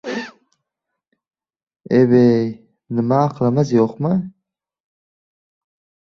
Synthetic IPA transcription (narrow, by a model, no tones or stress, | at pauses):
eβej | nɪmaːqʰlˠamazjoqmɨ